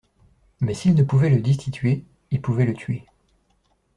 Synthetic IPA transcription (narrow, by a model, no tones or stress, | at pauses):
mɛsilnəpuvɛləd̪ist̪it̪ɥe | ilpuvɛlət̪ɥe